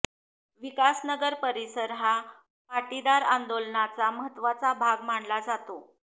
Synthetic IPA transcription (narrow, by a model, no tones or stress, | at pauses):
ʋikasnəɡəɾpəɾisəɾɦa | paʈid̪aɾand̪olnat͡saməɦət̪ːʋat͡sabʱaɡm̤aɳlad͡zat̪o